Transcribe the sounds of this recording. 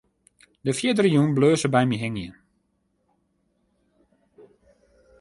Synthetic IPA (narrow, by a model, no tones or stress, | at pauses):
dəfjiədərəjunbløːsəbɛjmiɦɪŋən